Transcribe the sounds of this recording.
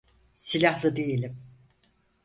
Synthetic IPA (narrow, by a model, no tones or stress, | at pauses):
silʲahlˠɯd̪ejelʲim